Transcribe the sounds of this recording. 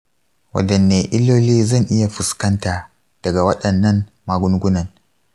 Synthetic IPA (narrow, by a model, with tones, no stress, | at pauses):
wʔɐ̰˦˨dɐ˨nːeː˨ʔɪ˦lːoː˦liː˦zɐ˦˨ŋʔɪ˦ja˨ɸɪ˨skɐ˦ntaː˨ | d̥ɐ˨ɡa˨wɐ˦ɗɐ˨nːɐ˦n | maː˨ɡʷʊ˦ŋɡʷʊ˦nɐ˨n